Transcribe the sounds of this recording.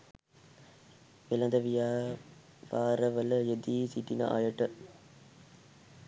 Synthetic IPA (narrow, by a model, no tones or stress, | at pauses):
ʋelɐnd̪ɐʋijaː | ʋaːɾɐʋɐlɐjed̪isiʈ̪ːinɐ̰ʔa̰ːjɐʈːɐ